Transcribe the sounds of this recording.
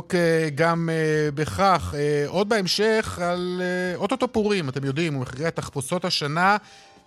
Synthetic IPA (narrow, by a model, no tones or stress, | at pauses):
keɡamebeχaχeʔo̞d̪̚beemʃe̞χaleot̪ot̪opuʁimat̪e̞mjodimumeχʁiat̪aχposo̞thaʃana